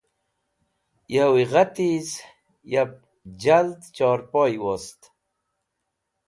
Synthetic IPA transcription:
jawiʁat̪iz | jab̚ | d͡ʑald̪t͡ɕɔːɾpojwost̪

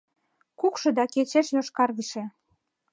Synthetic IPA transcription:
kukʃɤ̆d̪ɑket͡ɕeʃjoʃkɑrɣəʃĕ

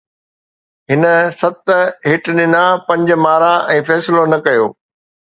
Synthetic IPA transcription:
ɦɪnə̆sɐt̪ɦɪʈɗɪnapɐ̃ɲd͡ʑ̆maːɾaʔɛ̃ːfɛːslonɐkɐjoː

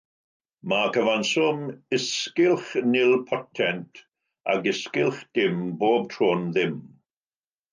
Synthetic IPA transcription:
makəvansʊmɪskɪlˠχnɪlˠpʰɔtʰɛntʰ | a̰ɡɪskɪlˠχd̥ɪmboːb̚tʰroːnðɪm

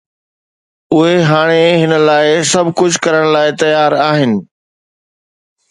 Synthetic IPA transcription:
ʊɦeɦaːɽ̃eɦɪnə̆laːɪsɐbʱkʊd͡ʑʱkɐɾəɽ̃laːɪt̪ɐjaːɾaːɦɪnɪ̆

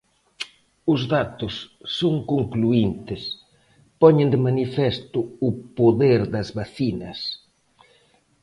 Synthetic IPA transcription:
ʊzðat̪ʊsːoŋkoŋkluint̪ɪs | pɔɲɪ̃nd̪ɪmanifɛst̪ʊʊpoðeɾðɐzβaθinɐs

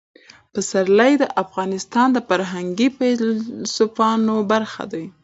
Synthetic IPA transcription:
pəsaɾlajd̪əʔafɣɑnɪst̪ɑnd̪əfaɾɦaŋɡifalsʊfɑnobaɾxa̰d̪aj

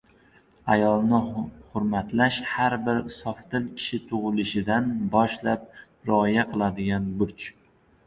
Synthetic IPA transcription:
ajɒlˠnɪhʊɾmat̪laʃhaɾbɪɾsɒft̪ɪlkʲʰɪ̥ʃɪt̪ʰʊʁɨlɪʃɪd̪anbɒʃlap̚ | ɾɪɒjaqʰɨlˠad̪ɪɡʲanbʊɾt͡ʃ

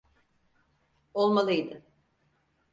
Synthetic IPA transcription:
o̞lˠmalˠɯjd̪ɯ

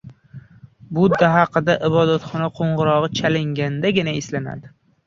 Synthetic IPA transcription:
bʊd̪ːaɦɑqɨd̪aʔɪbɒd̪at̪χɒnaqʰoɴʁɨɾɒʁɨt͡ʃʰalɪŋɡʲand̪aɡʲɪnaɪslana̰d̪ɪ

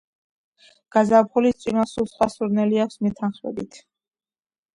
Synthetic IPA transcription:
ɡ̥azapχulit̪sʼiɾasulˠsχwasuɾnɛliakʷʰsmɛt̪ʰanχmɛ̰bit̪ʰ

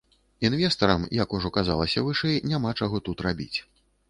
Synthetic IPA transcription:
invʲɛst̪ɐɾɐmjɐkuʐɔkaza̰lˠɐsʲɐvɨʂɛjnʲamat͡ʂaɣɔt̪ut̪rabʲḭt͡sʲ

